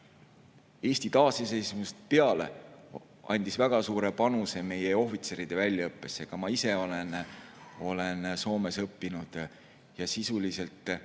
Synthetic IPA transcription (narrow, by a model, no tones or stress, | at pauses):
e̞ːsʲt̪it̪ɑːsese̞jsmust̪pe̞ɑle̞̰ | ɑ̰nʲd̪̥isvæɡ̥ɑsuːɾe̞pɑnuse̞me̞jeo̞fit̪se̞ɾid̪̥e̞vælʲːjɑɤpːe̞sːekɑmɑise̞o̞len | o̞le̞nso̞ːme̞sɤpːinud̪̥ | jɑsisulise̞lt̪ˑ